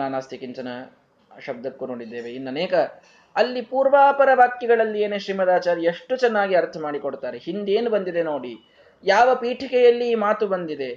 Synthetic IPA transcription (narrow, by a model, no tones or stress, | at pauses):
naːnaːst̪ʰikiɲt͡ʃɐnɐ | ʃɐb̚d̪ɐkːunoːɽid̪ːe̞ːʋe̞inːɐneːkɐ | ɐlːipuːɾʋaːpɐɾɐʋaːkjɐɡɐɭɐlːijeːneːʃɾiːmɐd̪aːt͡ʃaːɾieʂʈut͡ʃɛnːaːɡiɐɾt̪ʰɐmaːɽikoɽt̪aːɾeɦind̪eːnubɐnd̪id̪e̞noːɽi | jaːʋɐpiːʈʰikɛjɐlːiːmaːt̪ubɐnd̪id̪e̞